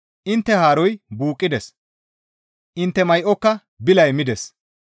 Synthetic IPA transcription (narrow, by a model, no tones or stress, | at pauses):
ʔɪnt̪ːɛhaːɾɔjbuːkʼːɪd̪ɛs | ʔɪnt̪ːɛmɐjʔɔkːɐ | bɪlɐjmɪd̪ɛs